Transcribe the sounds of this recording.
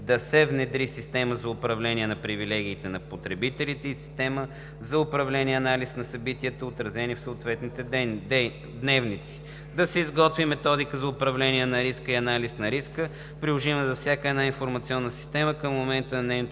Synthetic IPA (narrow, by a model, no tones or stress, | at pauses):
d̪ɐsɛvnɛd̪ɾisist̪ɛməzɐʊpɾɐvlɛnʲiɛnɐpɾivilɛɡ̟ʲiːt̪ɛnɐpot̪ɾɛbit̪ɛlit̪ɛisi̥st̪ɛmə | zɐʊpɾɐvlɛniɛɐnalisnɐsɐbit̪iət̪oot̪ɾɐzɛnifsoʊt̪vɛt̪nit̪ɛ | d̪nɛvnit̪si̥ | d̪ɐsɛizɡɔt̪vimɛt̪ɔd̪ikəzɐʊpɾɐvlɛniɛnɐɾiskəiɐnalisnɐɾiskə | pɾilˠoʒivmɛzɐfsʲjakəɛd̪nainfoɾmɐt̪siɔnːəsi̥st̪ɛməkəmːomɛnt̪ənɛjn